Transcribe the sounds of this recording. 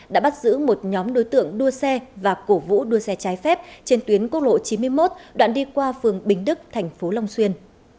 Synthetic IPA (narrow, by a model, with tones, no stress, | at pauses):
ɗa̰ː˧˥ɓa˦˥t̚zɨ̰˧˥mo˨˩t̚ɲɔ˨˦mɗo˨˦jt̪ɨ̰˧˨əŋɗu˧əsɛ˧vaː˨˩ko˧˩vṵ˧˥ɗu˧əsɛ˧t͡ɕaː˨˦jfɛ˦˥p̚t͡ɕe˧nt̪wi˨˦ənku˦˥k̚lo̰˧˨t͡ɕi˨˦nmɨ˧əjmo˦˥t̚ɗwa̰ː˧˨nɗi˧kwaː˧fɨ˨˩əŋɓï˨˩ŋ̟ɗɨ˦˥k̚t̪ʰa˨˩jŋ̟fo˨˦la˧wŋ͡mswi˧ən